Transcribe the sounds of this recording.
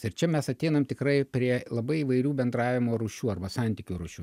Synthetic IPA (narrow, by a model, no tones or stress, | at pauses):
ɪɾt͡ʃʲɛmʲɛsɐt̪ʲɛɪnɐmt̪ʲɪkɾɐɪpʲɾʲiɛlˠɐbɐɪiːʋɐɪɾʲuːbʲɛnd̪ɾɑːʋʲɪmoːɾuːʃʲuːɐrbɐsɑˑnʲt̪ʲiːkʲuːɾuːʃʲuː